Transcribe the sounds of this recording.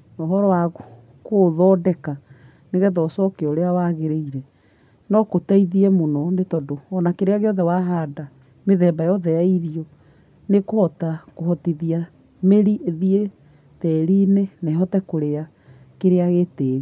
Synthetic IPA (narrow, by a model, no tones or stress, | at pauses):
ɔɦɔɾɔwaɣo | koðɔdɛka | neɣɛðɔsɔkeɔɾeawaɣeɾeiɾɛ | nɔkotaiðiɛmonɔnetɔdoɔnakeɾeaɣejɔðɛwaɦada | meðɛːmbajɔðɛjaiɾiɔ | nekohɔtakohɔtiðia | meɾiðie | tɛɾinenɛɦɔtɛkoɾea | keɾeaɣetɛːɾi